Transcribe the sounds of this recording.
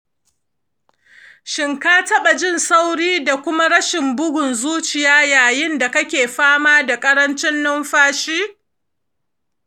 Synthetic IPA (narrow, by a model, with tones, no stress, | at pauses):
ʃɪ˨ŋkaː˦tɐ˦ɓa˨d͡ʒɪ˦˨nsa˦wɽiː˦da˨kʷʊ˦ma˦ɽɐ˦ʃɪ˨mbʊ˦ɡʷʊ˨nzuː˦t͡ʃɪ˨jaː˦jaː˨jɪ˦nda˨kɐ˦kʲeː˨ɸaː˦maː˦da˨kʼɐ˦ɾɐ˦nt͡ʃɪ˦nːʊ˦mɸaː˦ʃiː˦